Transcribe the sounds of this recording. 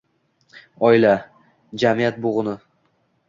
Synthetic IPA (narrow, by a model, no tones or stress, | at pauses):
ɒɪla | d͡ʒamijat̪̚boʁʊnɪ